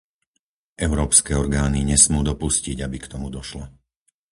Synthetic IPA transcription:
ʔɛʊɾɔːpskɛːɔɾɡaːniɲɛsmuːd̪ɔpusciɟabikt̪ɔmud̪ɔʃlɔ

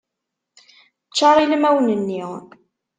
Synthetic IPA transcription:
ət͡ʃːɑɾˤilmæwnənːiʁ

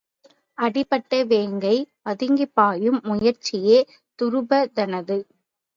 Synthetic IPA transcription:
ɐɽɪpːɐʈːɐʋeːŋɡɐɪ | ɐðɪŋɡɪpːaːjɯmːʊjɐɾt͡ʃɪjeː | t̪ʊɾɯbɐd̪ɐnɐðɯ

